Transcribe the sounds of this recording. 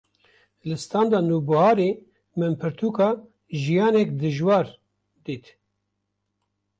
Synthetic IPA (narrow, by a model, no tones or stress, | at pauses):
lɨst̪ɑːnd̪ɑːnuːbɨhɑːɾeː | mɨmpʰɨɾt̪ʰuːkɑː | ʒijɑːnɛkd̪ɨʒwɑːɾ | d̪iːt̪